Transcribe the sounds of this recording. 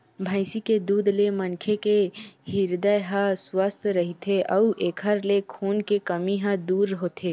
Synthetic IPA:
bʱaɪsiked̪uːd̪lemənkʰekeɦiɾd̪əjɦãswast̪ʰɾəɦit̪ʰeʔɐuʔeːkʰəɾlekʰuːnkekəmiɦãd̪uːɾɦoːt̪ʰeː

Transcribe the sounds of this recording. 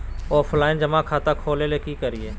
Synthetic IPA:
ɔːflaːɪnd͡ʒəmakʰaːt̪akʰoːleleːkikəɾɪeː

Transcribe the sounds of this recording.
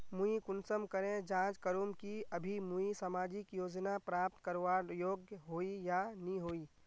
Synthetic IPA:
mũikʊnsəmkəɾẽd͡ʒãːt͡ʃkəɾuːmkiəbʱimuisamaːd͡ʒɪkjoːd͡ʒnapɾaːp̚t̪kəɾʋajoːɡjəɦoːijanĩɦoːiː

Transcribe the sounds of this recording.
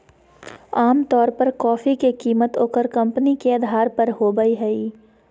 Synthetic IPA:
aːmt̪ɔːɾpɐɾkɔːfikekiːmət̪oːkəɾkɐ̃mpnikeɐd̪ʱaːɾpɐɾɦoːbəiɦɛiː

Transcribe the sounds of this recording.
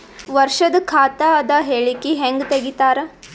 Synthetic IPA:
ʋɐɾʃɐd̪kʰaːt̪ɐɐd̪ɐɦeːɭikiɦeŋɡt̪eɡit̪aːɾe

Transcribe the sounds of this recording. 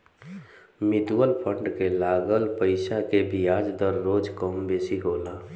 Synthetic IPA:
mɪd̪uwəlpʰəɳɖkelaːɡəlpəɪsakebʱiaːd͡ʒd̪əɾːoːd͡ʒkəmbeːsiɦoːla

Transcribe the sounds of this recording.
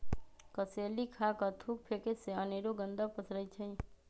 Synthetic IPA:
kəseːlikʰakat̪ʰuːk̚pʰeːkeseəneːɾoɡə̃nd̪apəsɾəit͡ʃʰəĩ

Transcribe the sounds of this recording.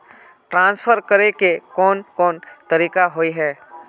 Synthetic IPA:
ʈɾãːnsfʰəɾkəɾekekɔːnkɔːnt̪ɐɾiːkaɦoːiɦɛː

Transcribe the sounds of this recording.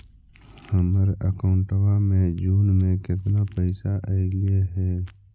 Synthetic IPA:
həməɾəkaʊɳʈəʋamẽd͡ʒuːnmẽkɪt̪napəɪsaʔɛɪlieɦɛː

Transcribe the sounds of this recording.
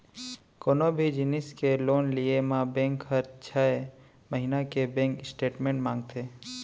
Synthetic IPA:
koːnobʱid͡ʒɪnɪskeloːnliemãbɛ̃ːŋkɦəɾt͡ʃʰa | məɦinakebẽŋkɪsʈeːʈmẽːɳʈmãːŋɡt̪ʰeː

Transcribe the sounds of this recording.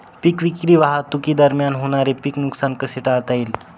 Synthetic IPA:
pikʋikɾiːʋaɦat̪ukiːd̪əɾmjanɦoɽ̃aɾepiknuksankəseʈaɭt̪aiːl

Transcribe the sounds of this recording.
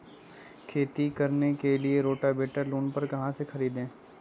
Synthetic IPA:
kʰeːt̪ikɐɾnekelieɾoːʈabeːʈəɾluːnpɐɾkɐɦãsexɐɾiːd̪ẽː

